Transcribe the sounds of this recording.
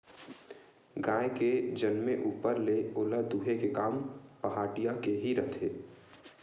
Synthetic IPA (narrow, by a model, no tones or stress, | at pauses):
ɡaːeked͡ʒənmeʔuːpəɾleoːlad̪uːɦekekaːmpəɦaːʈijakeɦiɾɐt̪ʰeː